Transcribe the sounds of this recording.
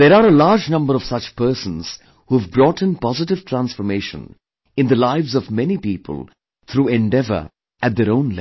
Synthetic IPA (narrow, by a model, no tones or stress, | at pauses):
d̪eɾaːɾəlaːɾd͡ʒnʌ̃mbəɾɔv̥sʌt͡ʃpəːɾsə̃nz̥ | huvbɾɔːʈɪ̃npɔzɪʈ̬ɪv̥ʈʰɾæ̃nsfɔɾmeːʃə̰̃n | ɪ̃nd̪əlaɪvzɔvmɛnipiːpʰə̰l | t̪ʰɾuːɛ̃ɳɖɛvə̰˞ | ʔæt̚d̪eɾõʊ̃nlɛ